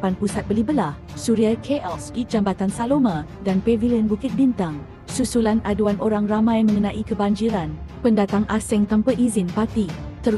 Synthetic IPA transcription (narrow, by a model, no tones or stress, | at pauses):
panpusat̪̚bəlibəlah | suɾiakʰeʔɔlsid͡ʒambat̪ansalomãdanpeviliənbukɪt̪̚bint̪aŋ | susulanʔaduanʔoɾaŋramãjmə̃ŋənãʔikəbaɲd͡ʒiɾanpəndat̪aŋʔasɪŋt̪ampəʔizɪnpat̪it̪ə